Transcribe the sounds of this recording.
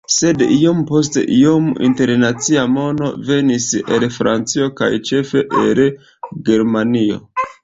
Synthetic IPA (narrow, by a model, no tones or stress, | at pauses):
se̞dijompo̞s̬tḛʔijomḭnte̞ɾnat͡siamo̞no̞ve̞nisḛlfɾant͡sio̞ka̰jt͡ʃe̞fe̞ʔel | ɡe̞ɾmanio̞̰